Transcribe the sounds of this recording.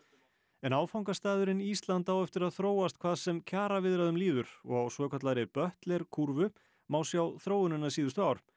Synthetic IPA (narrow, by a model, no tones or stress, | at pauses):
ɛnaːwfawŋkast̪aːðʏɾɪnist̪lant̪awɛft̪ɪɾaðθɾoːwast̪̚kʰv̥aːðsɛmcʰaːɾavɪðɾaðʏmliːvʏɾ̥ɔ̰ɣawsvœːkʰœt̪laɾɪpœht̪lɛɾ̥kʰuɾvʏ | maːwsjawθɾoːwʏnʏnːasiːðʏst̪ʏaːwɾ̥